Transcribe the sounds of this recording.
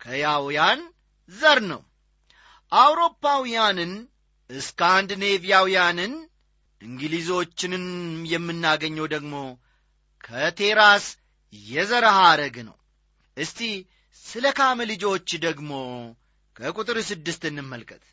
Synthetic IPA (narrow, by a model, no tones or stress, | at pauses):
kʰəjawjan | zəɾnə̰w | ʔawɾo̞pːawijanɨn | ʔɨskand̪ne̞vijawijanɨn | ʔɨŋɡɨlizo̞t͡ʃːɪnɨnjɛmːɨnːaɡəɲːəwd̪əɡmo̞ | kʰət̪ʰe̞ɾas | jɛzəɾhaɾəɡnə̰w | ʔɨst̪i | sɨləkʰamlɨd͡ʒo̞t͡ʃːd̪əɡmo̞ | kʰəkʼut̪ʼɨɾsɨd̪ːɨst̪ɨnːɨmːəlkʼət̪ʼ